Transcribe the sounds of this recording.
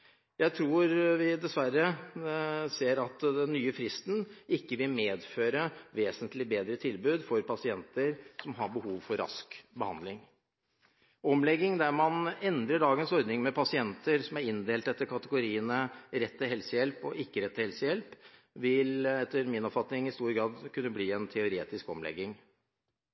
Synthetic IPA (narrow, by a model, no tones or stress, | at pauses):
jæɪt̪ʰɾuːɾʋɪd̪ɛsʋærːə | seːɾɑt̪d̪ɛnːyːəfɾɪst̪n̩ɪkːəʋɪlmeːd̪føːɾəʋeːsənt̪ʰlɪbeːd̪ɾət̪ʰɪlbʉːd̪fɔɾpʰɑsɪɛnt̪əɾsɔmɦɑɾbəhuːʋfɔɾːɑ̰skbəhɑ̰nd̪lɪŋ | ɔmlɛɡːɪŋd̪æɾmɑnɛnd̪ɾəɖɑːɡənsɔɾd̪nɪŋmɛpʰɑsɪɛnt̪əɾsɔmæɾɪnd̪eːlt̪ɛt̪ːəkʰɑt̪əɡʊɾiːənəɾɛt̪ːəɦɛlsəjɛlpɔʔɪkːəɾɛt̪ːəhɛlsəjɛlp | ʋɪlɛt̪ːəɾmɪnɔpfɑt̪nɪŋɪst̪uːɾɡɾɑːd̪kʰʉnːəbliːɛnt̪ʰɛʊɾeːt̪ɪskɔmlɛ̰ɡːɪŋ